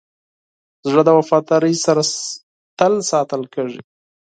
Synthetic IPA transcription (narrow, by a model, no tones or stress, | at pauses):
zʐəd̪əwafɑt̪ɑɾəjsaɾa | t̪əlsɑt̪əlkəʐḭ